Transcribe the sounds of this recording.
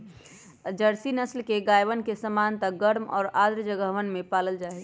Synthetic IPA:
d͡ʒəɾsinəslkeɡaːjʋənkesəmaːnt̪ək̚ɡəɽmɔ̰ːɾaːd̪ɾd͡ʒəɡəɦʋənmẽpaːləld͡ʒaːɛ

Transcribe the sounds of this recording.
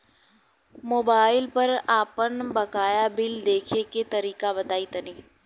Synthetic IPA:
moːbaːɪlpɐɾaːpənbɐkaːjabɪld̪eːkʰeket̪ɐɾiːkabɐt̪aːit̪ɐniː

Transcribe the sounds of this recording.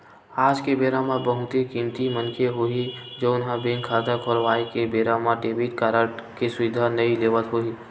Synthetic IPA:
aːd͡ʒkebeːɾamabəɦʊt̪ikĩːmt̪imənkʰeɦoi | d͡ʒoːʊnɦãbẽŋkʰaːd̪əkʰɔːɾʋaːikebeːɾamaɖeːbiʈkaːɾəʈkesʊʋɪd̪ʱanɐileːʋət̪ɦoiː

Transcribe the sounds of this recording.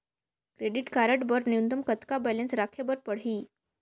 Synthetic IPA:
kɾeɽiʈkaɾəʈbəɾnijunt̪əmkət̪kabɛlẽnsɾakʰebəɾpəɽ̤ɦiː

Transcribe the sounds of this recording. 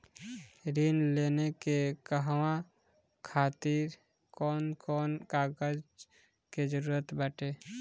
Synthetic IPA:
ɾinleːnekekəɦwã | kʰaːt̪ɪɾ | kɔːnkɔːnkaːɡəd͡ʒ | ked͡ʒəɾuːɾət̪bəʈe

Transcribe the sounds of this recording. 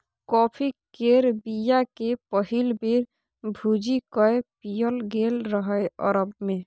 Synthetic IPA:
kɔpʰikeɾbijakepɔɦilbeɾ | bʱud͡ʒikɔepijɔlɡelɾɔɦɔeɔ̰ɾɔbme

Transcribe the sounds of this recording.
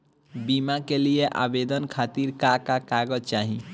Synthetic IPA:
bimakelijeʔa̰bed̪ənkʰat̪iɾkakakaɡət͡ʃaɦi

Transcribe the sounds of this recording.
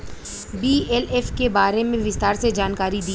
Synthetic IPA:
biːɛlɛːfkebaːɾemẽʋɪst̪aːɾsed͡ʒaːnkaːɾid̪iː

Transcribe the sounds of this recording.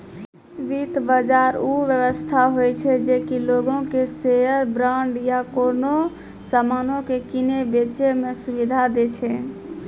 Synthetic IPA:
ʋit̪bəd͡ʒaɾuʋjəʋəst̪ʰaɦojt͡ʃʰɛd͡ʒekiloɡõkeseəɾbɾaɳɖjakono | samanõkekinebet͡ʃemesubid̪ʱad̪et͡ʃʰɛ

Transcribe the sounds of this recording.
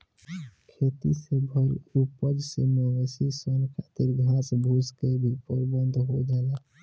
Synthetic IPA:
kʰeːt̪isebʱəlupəd͡ʒsemeʋəsisənkʰaːt̪iɾɡʱãːsbʱuːskebʱipəɾbə̃nd̪ʱɦod͡ʒaːla

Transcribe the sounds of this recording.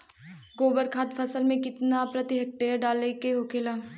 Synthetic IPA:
ɡoːbəɾkʰaːt̪fʰɐsəlmẽkɪt̪napɾɐt̪iɦɐk̚ʈeːɾɖaːlekeɦokʰelaː

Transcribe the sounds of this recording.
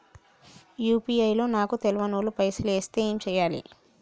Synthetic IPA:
juːpiɐjlo̞ːnaːkut̪ɛlʋɐnoːlupɐjsileːst̪e̞ːeːmt͡ʃɛːjaːlḭ

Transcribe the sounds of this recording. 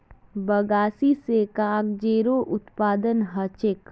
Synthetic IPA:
bəɡaːsisekaːɡd͡ʒeːɾoʔʊt̪paːd̪ənɦɐt͡ʃɪk

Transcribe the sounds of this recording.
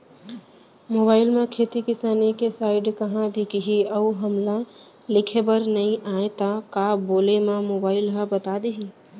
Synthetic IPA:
moːbaːɪlmẽkʰet̪ikɪsaːnikesaːɪɖkəɦãd̪ikiɦiəuɦəmla | lɪkʰebəɾnəĩʔaẽt̪akaboːlemãmoːbaːɪlɦəbət̪ad̪iɦi

